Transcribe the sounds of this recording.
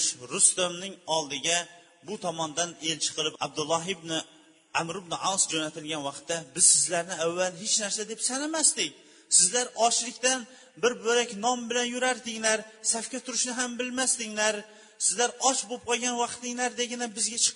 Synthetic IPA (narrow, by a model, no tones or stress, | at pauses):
ʃɾʊst̪omnɪŋɒlˠd̪ɪɡʲa | bʊt̪ʰɒmɒnd̪ane̞lt͡ʃʰɨ̥qʰɨlˠɪpa̰b̚d̪ʊlˠːɒɦɪbnɪ | amɾɪbnɪʔansd͡ʒonat̪ʰɪlɡʲanwɑqt̪ʰːabɪzsɪzlaɾnɪavːalɦet͡ʃnaɾsad̪e̞psanamast̪ɪkʲ | sɪzlaɾɒʃlɪkʲt̪an | bɪɾbɵɾakʲnɒmbɪlanjʊɾaɾd̪ɪŋlaɾsafkʲat̪ʰʊɾɪʃnɪɦambɪlmast̪ɪŋlaɾ | sɪzlaɾɒt͡ʃbop̚qʰɒɡʲanwɑqt̪ɪŋlaɾd̪eɡʲɪnabɪzɡʲat͡ʃʰɨ̥q